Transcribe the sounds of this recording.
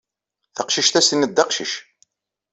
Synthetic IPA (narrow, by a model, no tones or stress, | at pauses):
θəqʃiʃθæsənːəd̪ːɑqʃḭʃ